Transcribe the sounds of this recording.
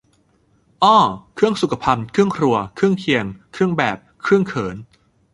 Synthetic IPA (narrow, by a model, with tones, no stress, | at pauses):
ʔɔː˥˩kʰɯ˥˩əŋsu˨˩kʰa˧pʰa˧mkʰɯ˥˩əŋkʰɾu˧ɐkʰɯ˥˩əŋkʰi˧əŋkʰɯ˥˩əŋbɛː˨˩p̚kʰɾɯ˥˩əŋkʰɤː˩˦n